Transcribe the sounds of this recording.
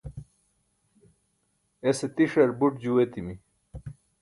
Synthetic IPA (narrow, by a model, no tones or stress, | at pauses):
eset̪iʂeɾbuʈd͡ʑuwet̪imi